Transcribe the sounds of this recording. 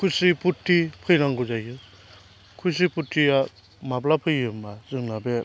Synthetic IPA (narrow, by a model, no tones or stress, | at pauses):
kʰusiputʰːipʰɯjɾaŋɡuzajɦɯ | kʰus̬iputʰːia | mablapʰɯjːɯmbazɯŋnabe